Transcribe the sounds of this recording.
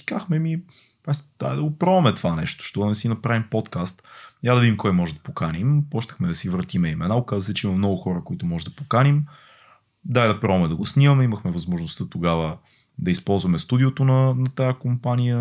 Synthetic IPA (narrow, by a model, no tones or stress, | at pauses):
skaxmɛmi | asd̪a̰jd̪ɐɡopɾɔmɛt̪vanɛʃt̪o̥ʃt̪ɔd̪ɐnɛsinɐpɾavimpɔt̪kast̪jad̪ɐvid̪imkɔjmɔʒɛd̪ɐpokanimpɔt͡ʃt̪əxmɛd̪ɐsivɾət̪imɛimɛnaokazəsɛt͡ʃɛimɐmnɔɡʊxɔɾəkoit̪ʊmɔʒɛd̪ɐpokanim | d̪ajd̪ɐpɾɔvmɛd̪ɐɡosnimɐmɛiməxmɛvɐzmoʒnost̪ət̪oɡavə | d̪ɐispɔlˠzvɐmɛst̪ud̪iot̪onɐnɐt̪ajakompanijə